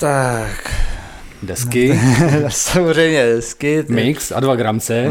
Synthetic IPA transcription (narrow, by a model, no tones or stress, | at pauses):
t̪ak | dɛskɪ | samorɛjmɲɛdɛskɪmɪksa̰dvaɡɾamt͡sɛ